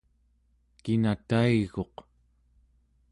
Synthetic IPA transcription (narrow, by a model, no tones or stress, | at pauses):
kinat̪aiɣo̞q